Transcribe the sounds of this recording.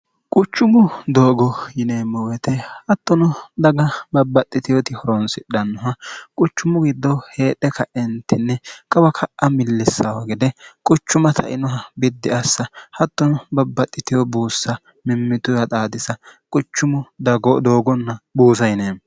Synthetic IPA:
kʼʊt͡ʃːʊmʊd̪oːɡɔjɪneːmːɔwɛt̪ɛhɐt̪ːɔnɔd̪ɐɡɐbɐbːɐt̪ʼːɪt̪ɪjɔt̪ɪhɔɾɔnsɪᶑɐnːɔɦɐkʼʊt͡ʃːʊmʊɡɪd̪ːɔhe̞ːᶑɛkʰɐʔɛnt̪ɪnːɛkʼɐwɐkʰɐʔʔɐmɪlːɪsːɐwɐɡɪd̪ɛkʼʊt͡ʃːʊmɐt̪ʰɐ̰ʔɪnɔɦɐbɪd̪ːɪɐsːɐhɐt̪ːɔnɔbɐbːɐt̪ʼːɪt̪ɪjɔbuːsːɐ | mɪmːɪt̪ʊɐt̪ʼaːd̪ɪsɐkʼʊt͡ʃːʊmʊd̪ɡd̪oːɡɔnːɐbuːs̬ɐjɪneː

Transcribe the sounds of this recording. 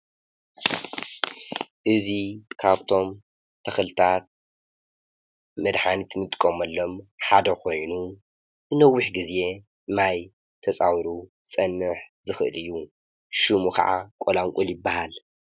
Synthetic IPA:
ʔɨzikʰaβt̪ʰo̞m | t̪ʰɐxlɨt̪ʰat̪̚ | mɐd̪ħanit̪ʰɨmɨt̪ʼɨ̥kʼːomɐlːo̞mħad̪ɐkʰo̞jnu | bɨnɐwːʊħɡize̞ | maj | t̪ʰɐt͡sʼawiɾu | sʼɐnːɨħzɨxɨʔɨ̰lɨjːu | ʃumukʰa̰ʕakʷʼolaŋkʷʼuljɪbːahal

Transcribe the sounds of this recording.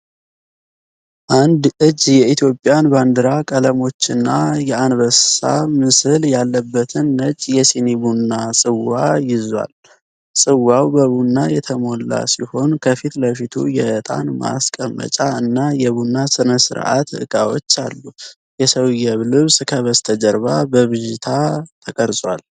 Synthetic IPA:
ʔand̪ʔɨd͡ʒːjɛit̪ʰjo̞pʼjanband̪ɨɾakʼələmo̞t͡ʃːɪnːajɛanβəsa̰mɨsɨljalːəbːət̪ʰɨnːət͡ʃʼjɛsinibunːasʼɨwajɪzwa̰l | sʼɨwawbəβunːajɛt̪ʰəmo̞lːa̰siho̞nkʰəfit̪ləfit̪ʰṵjɛʔət̪ʼa̰nma̰skʼəmːə̰t͡ʃʼaɨnːajɛβunːasɨnəsɨ̰ɾʔa̰t̪ɨ̰kʼawo̞̰t͡ʃːa̰lːu | jɛsəwjɛβlɨβskʰəβəst̪ʰəd͡ʒəɾβabəβɨʒɪt̪ʰat̪ʰəkʼəɾsʼwa̰l

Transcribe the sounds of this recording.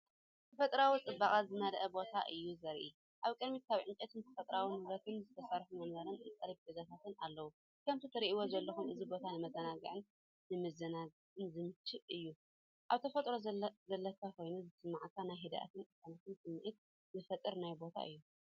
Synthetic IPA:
t̪ʰɐfɐt̪ʼɾawit͡sʼɨbːakʼat̪zɨnɐlʔɐbo̞t̪ʰaʔɨjːuzɐɾʔi | ʔaβkʼɨd̪mit̪̚kʰaβʕɨnt͡ʃʼɐt̪ʰɨnt̪ʰɐfɐt̪ʼɾawinɨβɾɐt̪ʰɨnzɨt̪ʰɐsɐɾħumɐnβɐɾɨnɨt̪ʼɐlb̚ɡɐzat̪ʰat̪ɨnalːɐwu | kʰɐmt̪ʰit̪ʰɐɾiʔiwozɐlːɐxumʔɨzibo̞t̪ʰanɨmɐzɐnaɡɨʕɨn | nɨmɐzɐnaɡʕɨnzɨmɨt͡ʃːɨβɨjːu | ʔaβt̪ʰɐfɐt̪ʼɾozɐlːɐkʰako̞jnuzɨsɨmːaʕkʰːanajɦed̪a̰ʔa̰t̪ʰɨnɨkanat̪ʰɨnsɨmːiʔɨt̪̚ | zɨfɐt̪ʼːɨɾnajbo̞t̪ʰa̰ʔɨ̰jːu

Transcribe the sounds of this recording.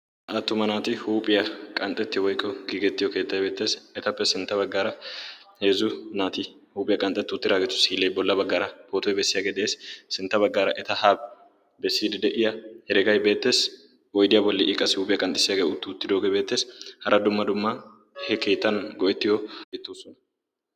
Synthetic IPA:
ʔɐt̪ːʊmɐnaːt̪ɪhuːpʼɪjɐkʼɐnt̪ʼɛt̪ːɪjwɔjkʼːɔɡiɡɛt̪ːɪjɔke̞ːt̪ːɐjbe̞ːt̪ːe̞ːsɛt̪ɐpːɛsɪnt̪ːɐbɐɡːaːɾɐheːzʊnaːt̪ɪ | huːpʼɪjɐkʼɐnt̪ʼːɛt̪ːɪʊt̪ːɪd̪aːɡɛt̪ːʊ̥siːlejbɔlːɐbɐɡːaːɾɐpoːt̪ɔjɛbɛsːɪjaːɡeːd̪eːssɪnt̪ːɐbɐɡːaːɾɐʔɛt̪ɐhaːb | bɛsːiːd̪ɪd̪ɛʔɪjɐhɛɾɛɡɐjbe̞ːt̪ːe̞ːs | ʔɔjd̪ɪjɐbɔlːɪʔɪkʼːɐsɪhuːpʼɪjɐkʼɐnt̪ʼɪsɪjaːɡeːʊt̪ːɪʊt̪ːɪd̪oːɡebe̞ːt̪ːe̞ːshɐɾʔɐd̪ʊmːɐd̪ʊmːɐ | hɛkeːt̪ːɐnɡɔʔɛt̪ːɪjɔɪt̪ːuːsɔnɐ

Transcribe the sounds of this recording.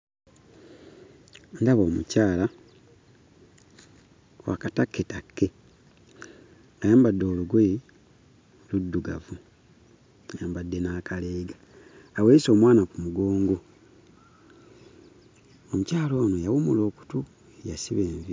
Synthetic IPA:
ndaβoːmṵcaːla | wa̰katakːetakːe̞ | ajaːmbadːo̞ːluɡwe | ludːuɡavu | ajaːmbadːe̞naːkaleːɡaː | weːiso̞ːmwaːnakumuɡo̞ːŋɡo̞ | omucaːlo̞ːnojawumulo̞ːku̥tu | ejasiβe̞ːɱvi

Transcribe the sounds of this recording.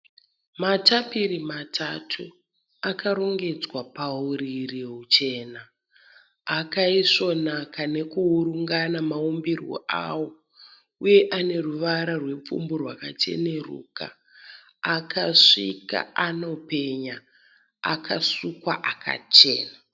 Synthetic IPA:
matapiɾimatʰatʰu | akaɾo̞ŋɡe̞d͡zwapauɾiriɦut͡ʃe̞ːnaː | kaiso̞nakane̞kuːɾuŋɡanamaumbirwo̰ʔa̰wo̞ | uje̞ʔane̞ruʋaɾarwe̞p͡fṵmburwakat͡ʃe̞̰ne̞rṵka̰ː | kʰaʂḭka̰ano̞pe̞ɲa | a̰kʰasukwaʔakʰa̰t͡ʃe̞̰ːna

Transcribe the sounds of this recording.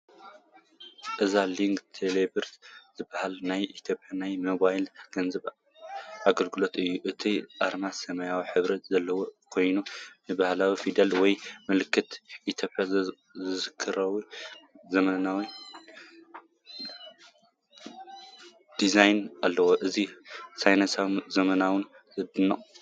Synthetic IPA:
ʔɨzaliŋɡt̪ʰelebɨɾt̪z̥ɨbːahalnajʔit̪ʰjo̞pʰjanajmoβajlɡ̥ɐnzɐβ | ʔaɡɐlɡɨlo̞t̪ɨjːuʔɨt̪ʰiʔaɾmasɐmɐjawiħɨβɾɐt̪zɐlːɐwokʰo̞jnunɨbahlawifid̪alwɔjmɨlɨkʰːɨt̪ʔit̪ʰjo̞pʼja | zɨzɨkʰːɨɾɐwuzɐmɐnawi | d̪̥izajnalːɐwoʔɨzisajnasawzɐmɐnawɨn | zɨd̪ɨnːɐʔʼ

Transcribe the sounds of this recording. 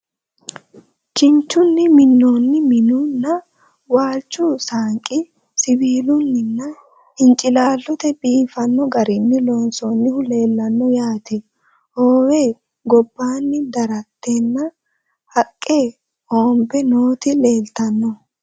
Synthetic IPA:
t͡ʃɪnt͡ʃːʊnːɪmɪnːoːnːɪmɪnʊnːɐ | waːlt͡ʃːʊsaːŋkʼɪ | sɪbiːlʊnːɪnːɐ | ɪnt͡ʃʼɪlaːlːɔt̪ɛbiːfɐnːɔɡɐɾɪnːɪlo̞ːnsonːɪhʊle̞ːlːɐnːɔjaːt̪ɛ | hoːwe̞ː | ɡɔbːaːnːɪd̪ɐɾɐt̪ːe̞ːnːɐ | hɐkʼːeː | oːmbɛnoːt̪ɪle̞ːlt̪ɐnːɔ

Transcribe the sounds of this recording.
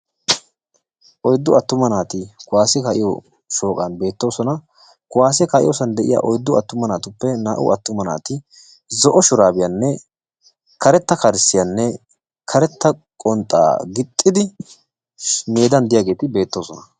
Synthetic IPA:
ʔɔjd̪ːʊɐt̪ːʊmɐnaːt̪ɪkʊwaːsɛkɐʔɪjɔ | ʃo̞ːkʼɐnbe̞ːt̪ːo̞ːsɔnɐ | kʊwaːsɛkɐʔɪjoːsɐnd̪ɛʔɪ̰ja̰ːʔɔjd̪ːʊɐt̪ːʊmɐnaːt̪ʊpːɛnaːʔʊ̰ʔɐt̪ːʊmɐna̰ːt̪ɪ | zɔʔɔʃʊɾaːbɪjɐnːɛ | kɐɾɛt̪ːɐkɐɾɪsːɪjɐnːɛ | kʰɐɾɛt̪ːɐkʼɔnt̪ʼːa̰ːɡɪt̪ʼːɪd̪ɪ | meːd̪ɐnd̪ɪjaːɡe̞ːt̪ɪbe̞ːt̪ːo̞ːsɔnɐ

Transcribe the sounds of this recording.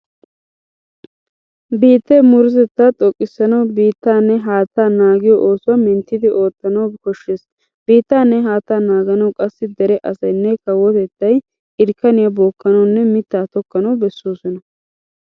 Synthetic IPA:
biːt̪ːɛmʊɾɪz̬ɛt̪ːat̪ʼɔkʼːɪsːɐnɐwbiːt̪ːaːnːɛɦaːt̪ːaːnaːɡɪjɔʔoːsʊwɐmɛnt̪ːɪd̪ɪʔo̞ːt̪ːɐnɐwkɔʃːeːs | b̥iːt̪ːaːnːɛɦaːt̪ːaːnaːɡɐnɐwkʼɐsːɪd̪ɛɾɛʔɐsɐjnːɛkɐwːɔt̪ɛt̪ːɐj | ɪɾkːɐnɪjɐboːkːɐnɐwnːɛmɪt̪ːaːt̪ɔkːɐnɐwbɛsːoːsɔnɐ

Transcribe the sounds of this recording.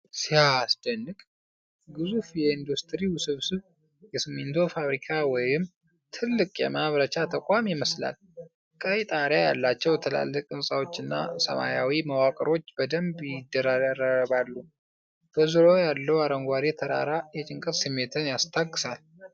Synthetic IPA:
sihasd̪ənːɨkʼ | ɡɨzufjɛind̪ust̪ʰɾiwsɨβsɨβ | jɛsɨmːent̪ʰofaβɾikʰawɔjɪm | t̪ʰɨlːɨkʼjɛ̰maβɾət͡ʃat̪ʰəkʼamjɪməsla̰l | kʼəjt̪ʼaɾjaja̰lːat͡ʃːɛwjt̪ʰəla̰lːəkʼɨnsʼawo̞t͡ʃːɨnːa̰sə̰ma̰jawiməwakʼəɾo̞t͡ʃːbəd̪əmbjɪd̪ːəɾaɾaɾəβalːu | b̥əzɨɾojalːəwaɾəŋɡʷaɾet̪ʰəɾa̰ɾajɛt͡ʃʼɪŋkʼət̪sɨmːe̞t̪ʰɨnjast̪ʰaɡːɨsal

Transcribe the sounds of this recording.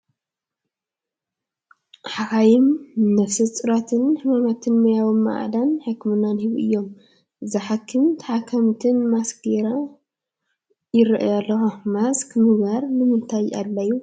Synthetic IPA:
ħakajɪmːɐfsɨt͡sʼɨɾat̪ʰɨnħɨmamat̪ʰɨnmojawɨmːa̰ʔd̪anħɨkːmɨnːanhiβuʔɨjːo̞m | zɐħakʰːɨmt̪ʰaħakʰːɐmt̪ʰɨnmaskɡeɾa | jɪɾiʔjalːɐxomaskmɨɡbaɾnɨmɨnt̪ʰaja̰lːajːu

